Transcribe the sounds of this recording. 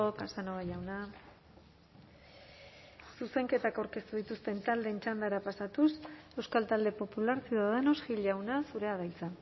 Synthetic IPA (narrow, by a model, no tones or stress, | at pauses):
okasanoaʝawna | suse̞ŋke̞t̪akawɾke̞st̪uðit̪ust̪e̞nt̪ald̪e̞ːnt͡ʃand̪aɾapasat̪use̞wskalt̪ald̪e̞po̞pulaɾsiðaðanosɡiʎawnasuɾe̞aðajt͡sa